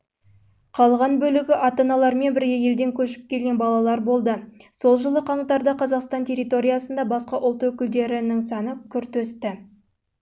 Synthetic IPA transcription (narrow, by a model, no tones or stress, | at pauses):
qʰɑlˠʁɑnbɵlɪɡʲɪʔɑt̪ɑnɑlˠɑɾme̞nbɪɾɡeje̞ld̪e̞ŋkʲʰɵʃɪ̥p̚kʲʰe̞lɡʲe̞nbɑlˠɑlˠɑɾbo̞lˠd̪əso̞lˠʒəlˠəqʰɑɴt̪ɑɾd̪ɑqʰɑzɑqst̪ɑnt̪ʲʰe̞ɾʲit̪o̞ɾʲijɑsənd̪ɑbɑsqɑʔʊlˠt̪wɵkʲɪld̪e̞ɾɪnɪŋsɑnəkʲʰʏɾt̪ɵst̪ɪ